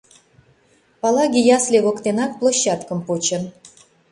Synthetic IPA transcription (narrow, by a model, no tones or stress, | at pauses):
pɑlɑɡʲijɑslʲeβŏkt̪enɑk̚plˠoɕːɑt̪kə̆mpot͡ɕə̆n